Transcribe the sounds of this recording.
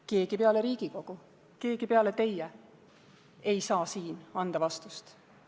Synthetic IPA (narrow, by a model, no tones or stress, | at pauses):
ke̞ːɡ̥ipeɑleɾiːɡ̥iko̞ɡ̥u | ke̞ːɡ̥ipeɑlet̪e̞jɛ | ejsɑːsiːnɑnd̪̥ɑvɑst̪ust̪